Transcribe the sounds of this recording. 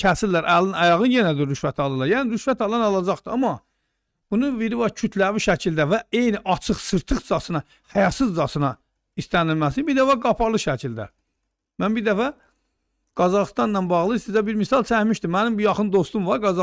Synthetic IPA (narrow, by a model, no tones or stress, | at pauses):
æsilːæɾʔælːinɑjɑʁɯnje̞næd̪iɾːyʃvæt̪ʰɑlˠɯlˠɑɾjæːniɾyʃvæt̪ɑlˠɑnɑlˠɑd͡ʒɑχt̪ɯɑmɑ | b̥unuviɾivɑɾcʰyt̪ʰlæviʃæcʰild̪ævæe̞jniʔɑt͡ʃʰɯχsɯɾt̪ʰɯχd͡ʒɑsɯnɑ | hæjɑt̪sɯzd͡ʒɑsɯnɑ | ist̪ænilmæsinbiɾd̪æfæɡɑpʰɑɾlˠɯʃæcʰild̪æ̰ | mænbiɾd̪æfæ | ɡ̥ɑzɑʁst̪ɑnːɑnbɑʁlˠɯsizæbiɾmisɑlˠt͡ʃʰæhmiʃt̪imænimbujɑχɯnd̪o̞st̪umvɑɾɡɑzɑ